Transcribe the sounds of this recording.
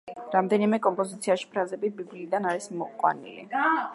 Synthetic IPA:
ɾamd̪ɛnimɛkʼɔmpʼɔzit̪sʰiaʃi̥pʰɾazɛbibibliːd̪anaɾismɔqʼwa̰nḭlḭ

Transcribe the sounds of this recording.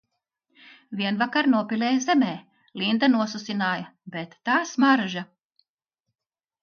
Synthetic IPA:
viɛnvakaɾnuɔpileːjzemeː | lind̪anuɔsusinaːjɐbet̪ːaːsmaɾʒa

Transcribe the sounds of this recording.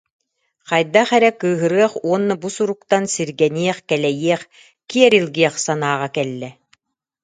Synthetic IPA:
qɑjd̪aχɛɾɛkɯːɦɯɾɯɐχuɔnːabusuɾuk̚t̪ansiɾɡɛniɛχkɛlɛjiɛχ | kiɛɾilʲɡiɛχsanaːʁakɛlːɛ

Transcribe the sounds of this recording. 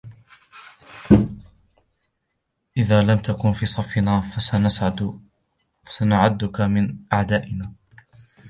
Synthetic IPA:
ʔɪðaːlamt̪akʊnfiːsˤɑfɪnaːfasanasʕa | asanʊʕad̪ːʊkamɪnʔaʕd̪aːʔɪnaː

